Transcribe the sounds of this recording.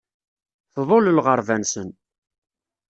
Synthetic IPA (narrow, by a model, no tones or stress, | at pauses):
θðˤoləlʁəɾˤvænsən